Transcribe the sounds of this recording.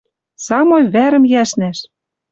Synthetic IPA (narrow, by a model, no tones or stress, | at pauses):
sɑmojβæɾɘ̆mjæʃnæʃ